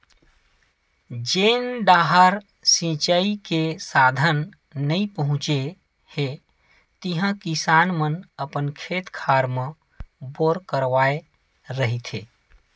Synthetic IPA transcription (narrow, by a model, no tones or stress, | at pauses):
d͡ʒeːnɖaːɦaɾ | sĩt͡ʃaikesaːd̪ʱənː | əĩpəɦʊ̃t͡ʃe | he | t̪iɦãkisaːnmənəpənkʰeːt̪kʰaːɾmə̃ | boːɾkəɾʋaːe | ɾəɦit̪ʰɦḛː